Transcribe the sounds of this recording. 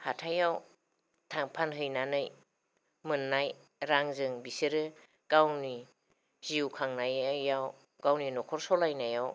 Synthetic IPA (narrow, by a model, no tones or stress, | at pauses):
hatʰajaw | tʰaŋpʰanɦɯjnanɯj | mɯnːaj | ɾaŋzɯŋbisiɾɯ | ɡ̥awni | z̥iwkʰaŋnajaːaw | ɡ̥awninɔkʰɔɾsɔlajnajaw